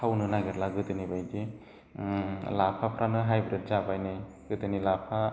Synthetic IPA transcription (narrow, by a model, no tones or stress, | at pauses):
awnɯnaɡeɾlaɡɯdɯnibajɡe | lapʰapʰɾanɯɦajbɾed̚zabajnɯj | ɡ̥ɯdɯnilapʰa